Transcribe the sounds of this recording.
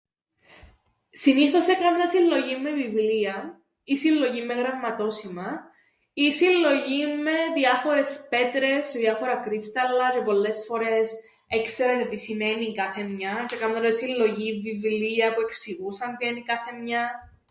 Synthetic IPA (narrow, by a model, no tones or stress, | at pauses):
siniθo̞se̞kɐmnɐsilːo̞ʝimːe̞vivliɐ | isilːo̞ʝimːe̞ɣɾɐmːɐt̪o̞simɐ | isilːo̞ʝimːe̞ðiɐfo̞ɾe̞spe̞t̪ɾe̞sðjɐfo̞ɾɐkɾist̪ɐlːɐcepo̞lːe̞sfo̞ɾe̞s | ekseɾɐnet̪isimenikɐθe̞mɲɐcekɐmnɐɾɐsilːo̞ʝivːivliɐpue̞ksiɣusɐnt̪ienikɐθe̞mɲɐ